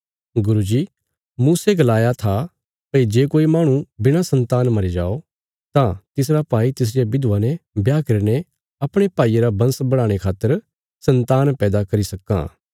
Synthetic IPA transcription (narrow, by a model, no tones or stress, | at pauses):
ɡʊɾud͡ʒiː | muːseɡɐlaːjat̪ʰa | pɐid͡ʒeːkoːimaːɽ̃ũbɪɽ̃asɐ̃nt̪aːnmɐɾid͡ʒa̰ːo | t̪ãt̪ɪsɾapaːit̪ɪs̬d͡ʒebɪd̪uʋanɛbjaːkɐɾne | ɐpɽ̃epaːieɾabɐ̃nsbɐɽ̃ãːɽ̃ekʰaːt̪ːəɾ | sɐ̃nt̪aːnpɛːd̪akɐɾisɐkːã̰ː